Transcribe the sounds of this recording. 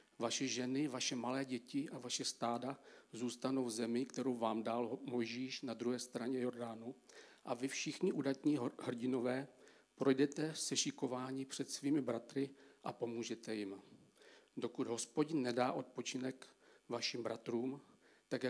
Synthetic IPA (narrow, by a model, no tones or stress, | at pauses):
vaʃɛʒɛnɪvaʃɛmalɛːɟɛcɪʔavaʃɛst̪aːdazuːst̪ano̞wvzɛmɪkt̪ɛɾo̞wvaːmdaːlmojʒiːʃnad̪ɾuɦɛːst̪ɾaɲɛjo̞ɾdaːnuʔavɪfʃɪxɲɪʔudat̪ɲiːhrɟɪno̞vɛː | pɾo̞jdɛt̪ɛsɛʃɪko̞vaːɲiːpr̥ɛt̪sviːmɪbɾat̪ɾɪʔapo̞muːʒɛt̪ɛjɪm | do̞kud̪ɦo̞spo̞ɟɪnːɛdaːʔo̞t̪̚po̞t͡ʃɪnɛkvaʃɪmbɾat̪ɾuːm | t̪akja